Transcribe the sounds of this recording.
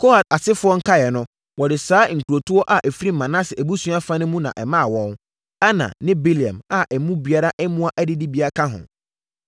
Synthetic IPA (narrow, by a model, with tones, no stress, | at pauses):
kʰo˦ha˨ta˨sɪ˦fʊ˦ɔ˦ŋ̩˦kʰa˦jɛ˨nʊ̃˦ | wɔ˨dɪ˨saː˦ŋ̩˨kʰu˨ɾo˨tʰʊ˦ɔ˦ʔa˨ʔɛ˨fi˦ɾi˦m̩˨mã˨nã˦sɪ˨æ˨bu˦su˦a˦fã˦nʊ̃˦mũ˦nã̰˨ʔɛ˨mã˦˨wɔ̃˦n | a˦nã̰˨nɪ̃˦bi˦li˨ã̰˨ma˨ʔɛ˨mũ˦bi˨a˦ɾa˦ʔɛ˦mũ˦a˦ʔæ˦dɪ˦dɪ˦bi˨˦a˦kʰã˦ɦʊ̰̃˨